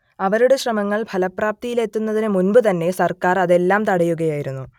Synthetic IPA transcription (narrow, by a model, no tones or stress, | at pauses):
ɐʋɐɾuɽe̞ɕrɐmɐŋːɐɭpʰɐlɐpraːp̚t̪ijile̞t̪ːunːɐðinɨmunbɨt̪̬ɐnːe̞sɐrkaːrɐðe̞lːaːmt̪ɐɽɐjuɣɐjaːjiɾunːu